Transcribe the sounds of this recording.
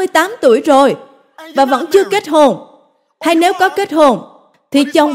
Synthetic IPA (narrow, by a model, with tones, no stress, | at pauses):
ɨ˧əjt̪aː˨˦mt̪u˧˩əjzo˨˩j | vaː˨˩və̰˧˥nt͡ɕɨ˧əke˦˥t̚ho˨˩n | ha˧jne˨˦wkɔ˨˦ke˦˥t̚ho˨˩n | t̪ʰi˨˩t͡ɕə˨˩wŋ͡m